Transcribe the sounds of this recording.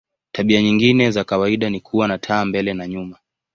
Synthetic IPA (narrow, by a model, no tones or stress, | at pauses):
taɓiaɲiŋɡinɛzakawaiɗanikʰuwanatʰaːmbɛlɛnaɲuma